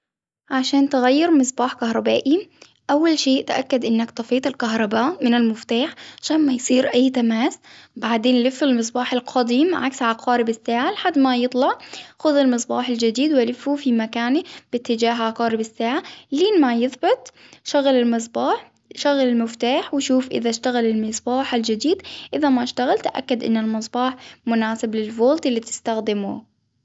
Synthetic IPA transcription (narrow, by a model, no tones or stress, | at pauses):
ʕaʃaːnt̪ɪɣajːɑɾmɨs̬ˤbɑːħkaɦɾˤɑbaːʔi | ʔawːalʃeːʔt̪aʔakːad̪ʔɪnːakt̪ˤɑfiːt̪ˤɪlkaɦɾˤɑbaːʔmɪnalmʊft̪aːħʕaʃaːnmajsˤiːɾʔajːt̪amaːsbaʕd̪eːnlɪfːalmɨs̬ˤbɑːħɪlqʰɑd̪ˤiːmʕa̰ksʕalaqʰɑːɾɪbɪsːaːʕalɪħad̪ːmajɨt̪ˤlɑʕxʊðɪlmɨsˤbɑːħɪld͡ʒad̪iːd̪walɪfːufimakaːnib̥ɪt̪ːɪd͡ʒaːɦʕaqɑːɾɪbɪsːaːʕaliːnmajɪðbɪt̪̚ˤ | ʃaɣalɪlmɨs̬ˤbɑːħ | ʃaɣalɪlmɪft̪aːħwɪʃuːfʔɪ̰ðaʃt̪aɣalɪlmɨsˤbɑːħald͡ʒɪd̪iːd̪ʔɪðamaʃt̪aɣalt̪ʔa̰kːad̪ʔɪ̰nːalmɨs̬ˤbɑːħmʊnaːsɪblɪlvoːlt̪ɪlːit̪ɪ̥st̪axd̪ɪmṵ